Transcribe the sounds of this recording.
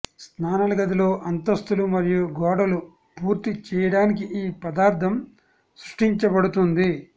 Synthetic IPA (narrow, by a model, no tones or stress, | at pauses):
snaːnɐlɐɡɐd̪ilo̞ːʔɐnt̪ɐst̪ulumɐɾijuɡɔːɽɐlu | puːɾt̪it͡ʃɛːjɐɽaːnikiʔiːpɐd̪aːɾt̪ʰɐm | sɾuʂʈiɲt͡ʃɐbɐɽut̪und̪i